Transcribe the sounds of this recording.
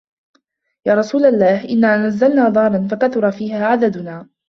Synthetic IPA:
jaːɾˤɑsuːlalːaːhʔɪnːaːnazːalnaːd̪ˤɑːɾˤɑnfakaθʊɾˤɑfiːhaːʕad̪ad̪ʊnaː

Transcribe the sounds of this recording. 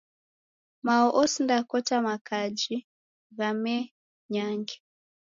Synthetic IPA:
maɔʔɔsindakɔtamakad͡ʒi | ɣamɛ | ɲaŋɡɛ

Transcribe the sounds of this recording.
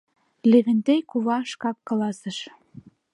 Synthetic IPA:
leβɘ̆nt̪ejkuβɑʃkɑkːɑ̆lɑsɤ̆ʃ

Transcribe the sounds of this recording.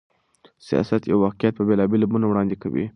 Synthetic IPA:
sijɑ̰sat̪ja̰wwɑqijat̪̚pəbelɑbelabunawɽɑnd̪eka̰wḭ

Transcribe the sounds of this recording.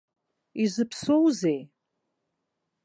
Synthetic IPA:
izɨpʰsowzej

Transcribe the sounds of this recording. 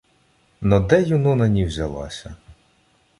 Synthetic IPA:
nɔd̪ɛjunɔnɐnʲiwzʲɐlˠɑ̰sʲɐ

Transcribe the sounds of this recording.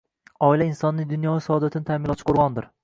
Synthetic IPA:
ɒilainsɒnːɪd̪ʊnjɒɡasɒɒd̪at̪ʰɪnɪt̪ʰamɪlˠɒt͡ʃʰɪ̥qʰoɾʁɑnd̪ɪɾ

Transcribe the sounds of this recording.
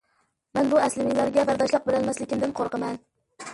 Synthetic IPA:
mɛnbuæslɪnɪŋlæɾɡʲɛbæɾd̪ɑʃlˠɑq̚bɪlænmæslɪkʲimd̪ɪnqʰoɾqəmɛn

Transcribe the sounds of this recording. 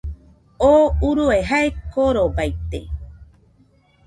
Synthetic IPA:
ouɾueɦaekoɾobajt̪ḛ

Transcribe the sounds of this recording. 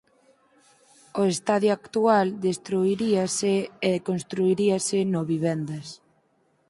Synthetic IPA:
oest̪aðjoakt̪uald̪est̪ɾuiɾiaseːðkonst̪ɾuiɾiasɪnoβiβ̞ɛnd̪ɐs

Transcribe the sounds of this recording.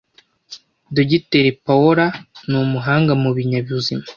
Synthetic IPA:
duɟiteɾepawoɾanumuɦaːŋɡamuβiɲaβjuzima

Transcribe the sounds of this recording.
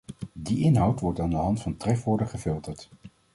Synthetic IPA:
diʔɪnɦʌwtʋɔɹtaːndəɦɑntfɑntrɛfʋʊːɹdəχəfɪlˠtəɹt

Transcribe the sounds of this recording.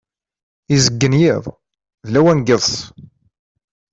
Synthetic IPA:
izəɡːənjiðˤ | ðlæwænɡəðˤs

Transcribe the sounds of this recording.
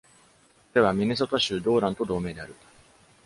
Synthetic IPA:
oɾe̞βamʲines̬o̞t̪aɕɨːd̪o̞ːɾãnt̪o̞d̪o̞ːme̞ːd̪e̞aɾɯ̟

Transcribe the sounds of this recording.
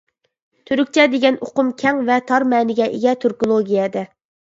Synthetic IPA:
t̪ʰøɾyk̚ʲt͡ʃʰɛd̪eɡʲɛno̰qʊmkʲʰɛŋvɛt̪ʰɑɾmɛːnɪɡʲɛʔḛɡʲɛt̪ʰøɾkolˠoɡʲijɛd̪ɛ

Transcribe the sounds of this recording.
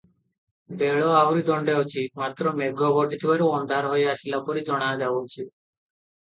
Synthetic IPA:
beɭɔauɾid̪ɔɳɖeat͡ʃʰimat̪ɾɔmeɡʱɔbɔʈit̪ʰibaɾuɔnd̪ʱaɾɦojasilapɔɾid͡ʒɔɽ̃aɔd͡ʒabɔt͡ʃʰi

